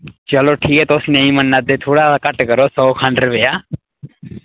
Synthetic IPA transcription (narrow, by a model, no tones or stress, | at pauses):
t͡ʃəloːʈʰiːkɛːt̪oʊsnɛ̃ːĩːmənːaːd̪eːt̪ʰoːɽaːakəʈkəɾoːsɔːkʰãːɳɖəɾəʋeːjaː